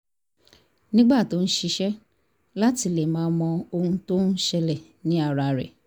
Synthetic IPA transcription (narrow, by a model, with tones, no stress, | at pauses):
nĩ˦ɡ͡ba˦˨to˨˦ñ̩˦ʃi˧ʃɛ˦ | la˦ti˧le˨mãː˨˦mɔ̃˧o˧hũ˧to˦n̩˦ʃɛ˧lɛ˨ | nĩ˨˦a˦˨ɾa˧ɾɛ̰˨